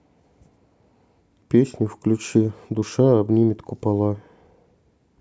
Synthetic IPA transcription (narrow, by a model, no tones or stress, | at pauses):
pʲesʲnʲʊfklʲʉt͡ɕid̪ʊʂaɐbnʲimʲɪt̪kʊpalˠa